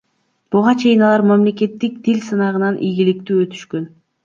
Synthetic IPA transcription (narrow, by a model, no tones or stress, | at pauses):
b̥uʁɑt͡ʃʰe̞jinɑlˠɑɾmamle̞k̬e̞t̪ːik̚t̪ʰilʲsɯnɑʁɯnɑnʔijɡilik̚t̪yːøt̪ʰy̥ʃkø̞n